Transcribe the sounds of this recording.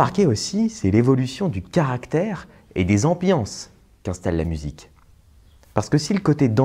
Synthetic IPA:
aʁkʲeosisɛlevɔlysjɔ̃d̪ykaʁakt̪ɛʁ | ed̪ezɑ̃bjɑ̃s | kɛ̃st̪alːa̰myzḭk | paʁsə̥kəsiləkot̪ed̪̃

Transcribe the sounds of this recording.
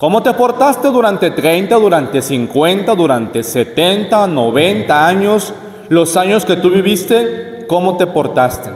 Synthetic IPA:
ko̞mo̞t̪e̞po̞ɾt̪ast̪e̞ðuɾant̪e̞t̪ɾe̞jnt̪aðuɾant̪e̞siŋkwe̞nt̪aðuɾant̪e̞se̞t̪ent̪anoβe̞nt̪aaɲo̞s | lo̞saɲo̞ske̞t̪uβiβist̪e̞ | ko̞mo̞t̪e̞po̞ɾt̪ast̪ḛ

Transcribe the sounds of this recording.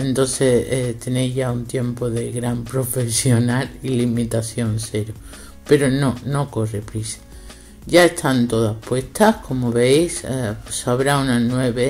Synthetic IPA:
ent̪o̞nθest̪e̞ne̞jzʝaunt̪je̞mpo̞ðe̞ɣɾampɾo̞fe̞sjo̞nalilimit̪aθjo̞nse̞ɾo | pe̞ɾono̞no̞ko̞re̞pɾisḁ | ʝae̞st̪ant̪o̞ðahpwe̞st̪ahkʰo̞moβe̞jssaβɾaunanwe̞βe̞

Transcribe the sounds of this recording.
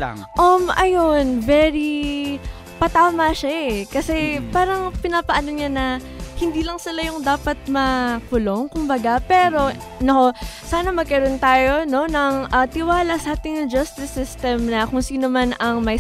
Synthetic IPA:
ʔomʔɐjonvɛɾi | pɐt̪aːmɐʃaɛkɐsɛpaːɾɐŋpɪnaːpɐʔɐnoɲanɐ | hɪnd̪iːlɐŋsɪlajʊŋd̪aːpɐt̪̚mɐkʊlo̞ŋkʊmbɐɡapɛːɾo̞ | noʔo | saːnɐmɐɡ̚kɐɾont̪aːjo̞no̞nɐŋʔɐt̪ɪwaːlɐsaːt̪ɪŋd͡ʒɐst̪d̪ɪsɪst̪ɛmnɐkʊŋsiːnomanʔɐŋmɐj

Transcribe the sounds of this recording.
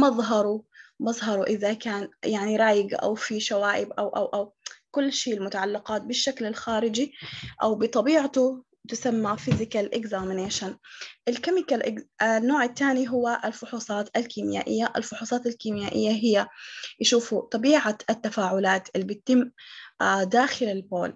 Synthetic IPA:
mɑðˤɦɑɾˤumɑðˤɦɑɾˤuʔɪðakaːnjaʕniɾˤɑːjɪɡʔa̰wfiʃawaːʔɪbʔawʔawʔawkʊlːʃiːlmʊt̪aʕalːɪqɑːt̪̚bɪʃːaklɪlxaːɾɪd͡ʒiʔawbɪt̪ˤɑbiːʕat̪ʊ | t̪ɪsamːafɪzɪkalʔɪɡzaːmɪneːʃanʔɪlkamɪkalʔɪ̰ɡnːoːʕɪt̪ːaːniɦʊwːaʔɪlfʊħuːsˤɑːt̪alkiːmɪja̰ːʔɪ̰jːaʔɪlfʊħuːsˤɑːt̪ɪlkiːmjaːʔɪjːaɦɪjːajɪʃuːfut̪ˤːɑbiːʕaɪt̪ːafaːʕʊlaːt̪ʔɪlːibɪt̪ːɪmː | d̪aːxɪlɪlbo̰ːl

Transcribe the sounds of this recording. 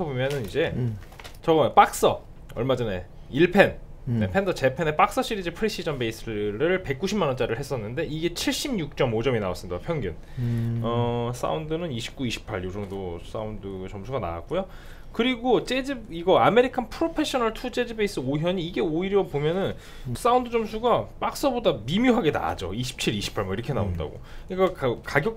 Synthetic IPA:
ʌbomjʌnɯnid͡ʑe̞ | t͡ɕʌɡʌjop͈ak̚s͈ʌ̰ | ʌ̰ɭmad͡ʑʌne̞ | iɭpʰe̞nnepʰendʌt͡ɕe̞pʰenep͈ak̚s͈ʌɕ͈iɾid͡ʑɯpʰɯɾiɕ͈ʰid͡ʑʌnbe̞is͈ʰɯɾɯɭpe̞k̚k͈uɕʰimːanʌnt͡ɕ͈aɾɯɭɦes͈ʌnːɯnde̞iɡe̞t͡ɕʰiɭɕ͈imɲuk̚t͡ɕ͈ʌmod͡ʑʌminaas͈ɯmidapʰjʌŋɡjun | ʌs͈a̰undɯnɯniɕʰi̥p̚k͈uiɕʰi̥pʰaɭjod͡ʑʌŋdos͈a̰undɯt͡ɕʌmsʰuɡana̰a̰k͈ujo | kɯɾiɡot͡ɕ͈ed͡ʑiiɡʌame̞ɾikʰanpʰɯɾopʰe̞ɕ͈ʰʌnaɭtʰut͡ɕ͈e̞d͡ʑibeis͈ɯoɦjʌɲiːɡe̞oiɾjʌpomjʌnɯn | s͈aundɯd͡ʑʌmsʰuɡap͈ak̚s͈ʌbodamimjuɦaɡe̞na̰d͡ʑo̰iɕʰi̥p̚t͡ɕʰiɾiɕʰi̥pʰaɭmaiɾʌkʰe̞naonda̰ɡo̰kɯɲik͈akkaɡjʌk̚

